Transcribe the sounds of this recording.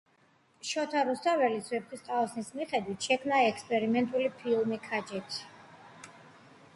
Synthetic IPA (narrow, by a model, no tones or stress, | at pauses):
ʃɔt̪ʰaɾust̪ʰʼavɛlisvɛpχist̪ʼaɔsnismiχɛd̪wit̪ʰʃɛkʰmnaɛkspʼɛɾimɛnt̪ʼulipʰilˠmikʰad͡ʒɛt̪ʰi̥